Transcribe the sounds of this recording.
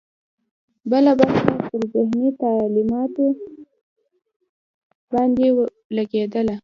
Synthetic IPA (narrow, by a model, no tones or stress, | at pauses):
bəlabɑapəɾzɪhnit̪ɑlimɑt̪o | bɑnd̪e | laɡed̪əla